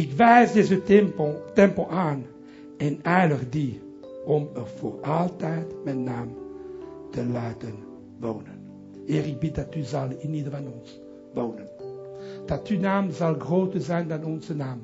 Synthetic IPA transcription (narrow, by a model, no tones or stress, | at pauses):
ɪkʋɛjzdezəmotɛmpoʔaːn | ɛnɛjləχdi | ɔmərfo̰ːrɑlˠtɛjtmɛnːaːm | təlaːtən | ʋoːnən | eːrɪɡ̚bɪt̚dɑtyzɑlˠinidəvɑnɔns | ʋoːnən | d̥ɑtynaːmzɑlˠɡroːtərzɛjndɑnɔnzənaːm